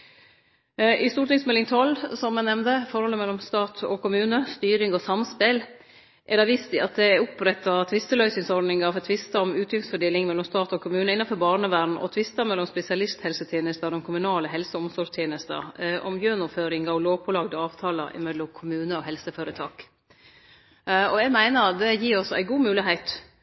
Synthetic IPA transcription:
ʔɪst̪uːɾʈɪŋsmɛlɪŋt̪ʰɔlːsɔmːɛnɛmnd̪əfɔɾhɔlːəmɛlːɔmst̪ɑːt̪ʰɔkʰʊmʉːnəst̪yːɾɪŋɔsɑmspel | ʔæɖɑʋɪst̪ɪɑt̪̚d̪ɛʊpɾɛt̪ːɑt̪ʰʋɪst̪əlœʏsɪŋsɔɾɖnɪŋɑʋɛt̪ʰʋɪst̪ɑɔmʉːt̪ʰjʏŋsfœɖeːlɪŋmɛlːɔmst̪ɑːt̪ɔkʰʊmʉːnəɪnɑfɔɾbɑːɾɳəʋæːɖɳ̩ʔɔ̰t̪ʰʋɪst̪ɑmɛlːɔmspɛsɪɑlɪst̪hɛlsət̪ʰjeːnəst̪ɑd̪ɛmkʰʊmʉnɑːləɦɛlsəɔmsɔʂt̪ʰjeːnəst̪ə̰ʔɔ̰mjønɔføːɾɪŋɑɔloːʋpʰɔlɑɡd̪əɑːʋt̪ʰɑːlɑʔɪ̰mɛlːɔkʰʊmʉːnəɔɦɛlsəføːɾət̪ʰɑːk | ɔɛɡmæɪnəɾd̪ɛjiːɾɔsɔæ̰ɪɡuːmʉːlɪɦæɪt̪

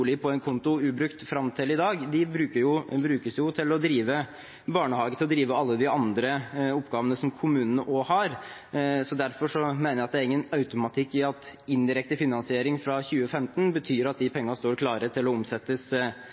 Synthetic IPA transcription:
lɪpʰɔɛnkʰʊnt̪ʊʉːbɾʉkt̪fɾɑmt̪ʰɪlɪd̪ɑːɡd̪ɪbɾʉːkəjʊbɾʉːkəsjʊt̪ʰɪlɔd̪ɾiːʋə | bɑːɳəhɑːɡət̪ɪlɔd̪ɾiːʋəɑlːəd̪ɪɑnd̪ɾəɔpːɡɑːʋənəsɔmkʰʊmʉːnənəʔoːhɑɾ | sɔd̪æɾfɔʂɔmeːnəjæɑt̪̚d̪æɾɪŋːənɑʉt̪ʊmɑt̪ʰɪkːɪɑt̪ɪnd̪ɪɾɛk̚t̪əfɪnɑnsɪeːɾɪŋfɾɑçʉːəfɛmt̪ənbət̪ʰyːɾɑt̪̚d̪ɪpʰɛŋːənst̪oːɾkʰlɑːɾət̪ʰɪlɔʊmsɛt̪ːəs

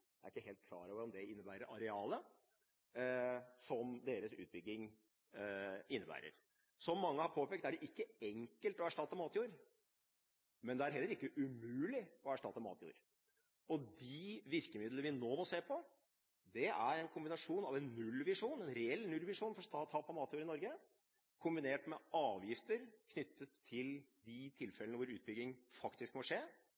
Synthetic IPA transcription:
d̪ɛæɾɪkːəɦeːlt̪̚kʰlɑ̰ːɾɑʋəɔmd̪ɛɪnːəbæːɾəɾʔɑɾɛɑːlə | sɔmd̪eːɾəsʉ̰ːbʏɡːɪŋ | ɪnːəbæ̰ːɾə̰ɾ | sɔmːɑŋːəhɑɾpʰoːpʰɛːk̚t̪æɖɛʔɪkːəɛŋkəlt̪ɔæʂʈɑt̪ːəmɑːt̪juːɾ | mɛnd̪ɛæɾɦɛlːəɾɪkːəʔʉmʉːlɪɔæʂʈɑt̪ːəmɑ̰ːt̪jṵːɾ | ɔd̪ɪʋɪɾkəmɪd̪ləəʋɪnoːmɔseːpʰɔ | d̪ɛʔæ̰ɾɛnkʰʊmbɪnɑʂuːnɑʋɛnːʉlːʋɪʂuːnɛnɾɛɛlːnʉlʋɪʂuːnfɔɾst̪ɑːt̪ʰɑːpɑmɑːt̪juːɾɪnɔɾɡə | kʰʊmbɪneːʈmɛɑːʋjɪft̪əɾkʰnʏt̪ːət̪ʰːɪld̪ɪt̪ʰɪlfɛlənəʋʊɾʉːt̪̚bʏɡ̪ɪŋfɑkt̪ɪskmɔʂeː

